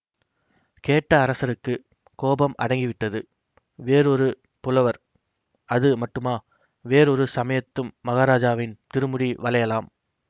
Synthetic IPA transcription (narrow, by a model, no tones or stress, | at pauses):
keːʈːɐːɾɐsɐɾɯkːɯ | koːbɐmɐ̰ɽɐŋɡɪʋɪʈːɐðɯ | ʋeːɾɔɾɯ | pʊlɐʋɐɾ | ɐðɯmɐʈːɯmaː | ʋeːɾɔɾɯsɐmɐjɐt̪ːɯmːɐɣaːɾaːd͡ʒaːʋɪnt̪ɪɾɯmɯɽiʋɐlɐjɐlaːm